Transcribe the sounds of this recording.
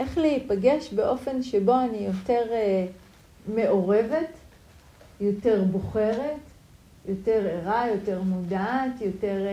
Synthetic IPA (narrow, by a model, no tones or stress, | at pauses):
ʔe̞χleipaɡeʃbe̞ʔo̞fe̞nʃebo̞anijo̞te̞ʁ | me̞ʔo̞ʁe̞ve̞t | jo̞te̞ʁbo̞χeʁe̞t | jo̞te̞ʁeʁajo̞te̞ʁmudaːtjo̞te̞ʁ